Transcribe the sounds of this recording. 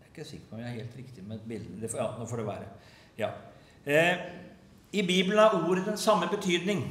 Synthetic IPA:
æɾɪkːəsɪkːə̥pɔmjææɾheːlt̪ɾɪkt̪ɪmɛbɪld̪ənəd̪ɛfjɑːnoːfɔɖɛʋæ̰ːɾə | jɑ̰ː | ɪbiːbəln̩æɾuːɾəd̪ɛnsɑmːəbət̪ʰyːd̪nɪŋ

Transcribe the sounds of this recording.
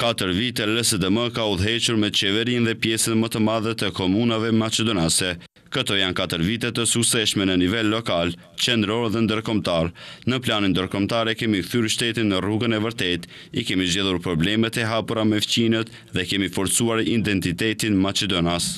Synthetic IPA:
kat̪əɾvit̪ɛlɛsəd̪əməkauðɦɛt͡ʃuɾmɛt͡ʃɛvɛɾinðɛpjɛsənmət̪əmaðət̪əkɔmunavɛmat͡ʃɛd̪ɔnasɛ | kət̪ɔjankat̪əɾvit̪̬ɛt̪əsuksɛʃmɛnənivɛlːɔkal | t͡ʃɛnd̪ɾɔɾðɛnd̪əɾkɔmt̪aɾnəplanind̪əɾkɔmt̪aɾɛkɛmikθyɾʃt̪ɛt̪inːəruɡənɛvəɾt̪ɛt̪ | ikɛmizd͡ʑɛðˠuɾpɾɔblɛmɛt̪ɛɦapuɾamɛft͡ɕinət̪ | ðɛkɛmifɔɾt͡suaɾid̪ɛnt̪it̪ɛt̪inmat͡ʃɛd̪ɔnas

